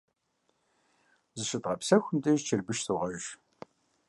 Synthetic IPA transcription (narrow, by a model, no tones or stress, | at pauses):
zɨʃɨtʁɐpsɐxʷʊmtʼɨʒt͡ʃʰɪrbɨʃsuʁɐʒʒ